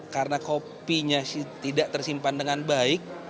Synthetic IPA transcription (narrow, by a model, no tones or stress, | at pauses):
kaɾənakopiɲasit̪idaʔt̪ərsimpandəŋanbaɪk̚